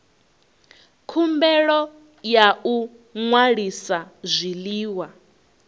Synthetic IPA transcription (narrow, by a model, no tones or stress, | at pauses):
kʰumbɛɺɔ | jau | ŋwaɺisazʷiliːwa